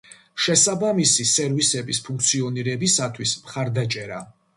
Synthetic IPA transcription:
ʃɛsabamisisɛɾvisɛbispʰuŋk̚ʰt̪sʰiɔniɾɛbisat̪ʰwismχaɾd̪at͡ʃʼɛɾa̰

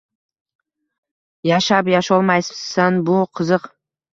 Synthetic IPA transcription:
jaʃapjaʃɒlˠmajsanbʊqʰɨzɨq

